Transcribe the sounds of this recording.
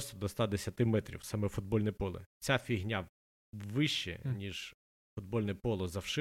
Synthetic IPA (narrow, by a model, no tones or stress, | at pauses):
st̪ɔd̪ɔst̪ad̪esʲɐt̪ɪmɛt̪ɾʲḭwsɑmɛfʊd̪̚bɔlʲnɛpɔlˠɪ̰t͡sʲafʲiɦnʲa | ʋɪʃt͡ʃɛ̰nʲiʒ | fʊd̪̚bɔlʲnɛpɔlˠɔzɐwʃɪ